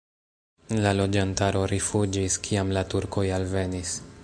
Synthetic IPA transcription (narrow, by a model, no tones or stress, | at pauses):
lalo̞d͡ʒantaɾo̞ɾifud͡ʒiskʰiamlatuɾko̞jalve̞nis